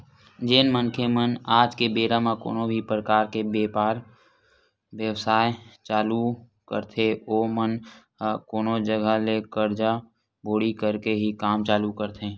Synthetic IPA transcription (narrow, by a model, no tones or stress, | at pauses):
d͡ʒeːnmənkʰemənaːd͡ʒkebeːɾamako̰ːnobʱipɾəkaːɾkebeːpaːɾ | wjəʋsaːjt͡ʃaːlu | kə̰ɾt̪ʰeoːmən | koːnod͡ʒəɡʱəlekəɾd͡ʒa | bʱoːɽikəɾkeɦikaːmt͡ʃaːlukəɾt̪ʰeː